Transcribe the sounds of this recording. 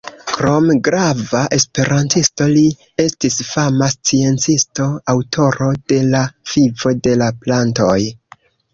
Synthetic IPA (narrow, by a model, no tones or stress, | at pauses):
kɾo̞mɡɾavaʔe̞spe̞ɾantisto̞li | e̞stisfamast͡sie̞nt͡sisto̞awtʰo̞ɾo̞d̥e̞lav̥ivo̞de̞laplantoj